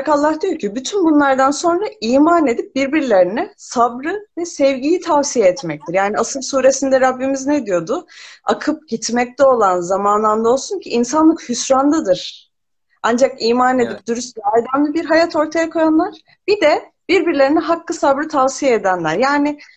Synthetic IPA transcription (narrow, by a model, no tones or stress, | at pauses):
kalˠːahd̪ijo̞ɾcʰibyt̪ʰynbunlˠaɾd̪anso̞nɾaiːmane̞d̪ip̚biɾbiɾlʲe̞ɾinɛsabɾɯvɛsɛvɟijit̪ʰavsijaɛt̪mɛc̚t̪ʰiɾjaːniasɯlˠsuːɾe̞sind̪ɛɾabːimizned̪ijo̞d̪ʊakʰɯp̚ɟ̥it̪mɛc̚t̪ɛo̞lˠanzamanlˠand̪ao̞lˠsuncʰiʔːnsanlˠɯkhysɾanlˠɯd̪ɯɾ̥ | and͡ʒakiːmaːne̞d̪ip̚d̪yɾysʲajd̪amlˠɯbiɾɦajat̪ʰo̞ɾt̪ʰajakʰo̞janlˠaɾ̥ | b̥id̪ɛ | b̥iɾbiɾlʲe̞ɾinɛɦakːɯsabɾɯt̪ʰavsijaed̪ænlʲæɾjaːnɪ